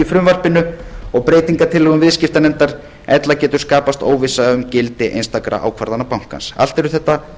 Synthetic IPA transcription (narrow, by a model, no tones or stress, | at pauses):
ifɾʏmvar̥pɪnʏɔɣpɾeːjt̪iŋkat̪ʰɪlʏɣʏmvɪðscɪft̪anɛnt̪aɾ | ɛt̪lacɛːt̪ʏ̥skaːpast̪o̰ːwvɪsaðaʏmcɪlt̪ɪʔejnst̪akɾa̰ʔa̰wkʰvaɾðanːapawŋ̥ka̰nsa̰l̥t̪ɛɾʏθɛht̪ːa